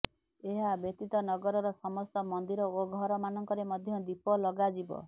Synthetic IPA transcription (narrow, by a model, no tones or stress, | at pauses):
eɦabjɔt̪it̪ɔnɔɡɔɾɔɾɔsɔmɔst̪ɔmɔnd̪iɾɔoɡʱɔɾɔmanɔŋkɔɾemɔd̪ʱjɔd̪ipɔlɔɡad͡ʒibɔ̰